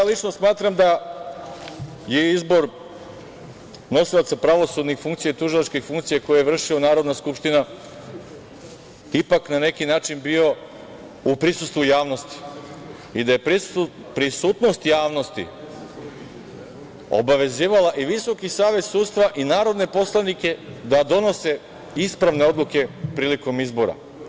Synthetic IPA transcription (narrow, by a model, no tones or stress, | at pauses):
jalit͡ʃnosmaːt̪ɾamd̪a | jeizbo̞ɾ | no̞silˠat̪sapɾaʋo̞sud̪nixfuŋkt̪sijait̪uʒilˠat͡ʃkifuŋkt̪sijako̞jejevr̩ʃionaːɾo̞d̪naskupʃt̪ina | ipaknane̞kinaːt͡ʃinbio̞ | upɾisust̪ʋujaːʋno̞st̪i̥ | id̪aje̞pɾisut̪nost̪jaːʋno̞st̪ḭ | o̰baʋe̞ziːʋalaʔiʋiso̞kisaːʋe̞t̪suːd̪t̪st̪ʋaʔinaːɾo̞d̪ne̞po̞slˠanike̞d̪ad̪o̞no̞se̞ | ispɾaʋne̞o̞d̪lˠuke̞pɾiːliko̞mizbo̞ɾa̰